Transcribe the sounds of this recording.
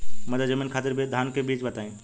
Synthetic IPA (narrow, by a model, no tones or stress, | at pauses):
mɐ̃d̪ad͡ʒɐmiːnkʰaːt̪ɪɾbʱed̪ʱaːnkʰebiːd͡ʒbɐt̪aːĩː